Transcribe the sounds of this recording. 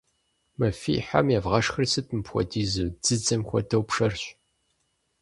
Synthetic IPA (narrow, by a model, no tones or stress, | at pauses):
mɐfḭːħa̰mjavʁɐʂxɨrsɨtʰʼɨmpxʷɔ̰diːzɨd͡zɨd͡zɐmxʷɔ̰dɐwpʂɐrɕ